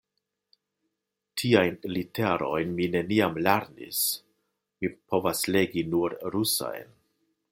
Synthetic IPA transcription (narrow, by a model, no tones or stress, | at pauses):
tʰiajnliteɾo̞jnmine̞niamleɾnḭs | mipʰo̞vasle̞ɡinuɾɾusa̰jn